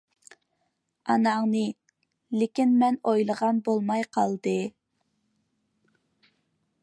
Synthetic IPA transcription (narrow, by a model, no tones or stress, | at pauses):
ɑnɑŋnɨ | lɪkʲinmɛnojlˠəʁɑnbolˠmɑjqʰɑlˠd̪ɨ